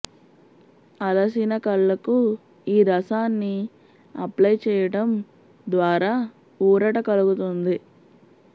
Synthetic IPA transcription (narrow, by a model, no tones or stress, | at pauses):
ɐlɐs̬inɐkɐɭːɐku | iːɾɐsaːnːi | ɐ̰plɐjt͡ʃɛːjɐɽɐm | d̪ʋaːɾaː | uːɾɐʈɐkɐluɡut̪und̪i